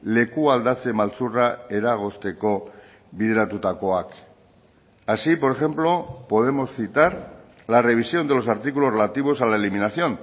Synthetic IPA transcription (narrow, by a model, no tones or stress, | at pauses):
le̞kuald̪at͡se̞malt͡surae̞ɾaɣ̞o̞st̪e̞ko̞ | βiðeɾat̪ut̪ako̞ak | asipo̞ɾe̞xe̞mplo̞po̞ð̞e̞mo̞sθit̪aɾ | lare̞β̞isjo̞nd̪e̞lo̞saɾt̪ikulo̞sre̞lat̪iβ̞o̞salaeliminaθjo̞n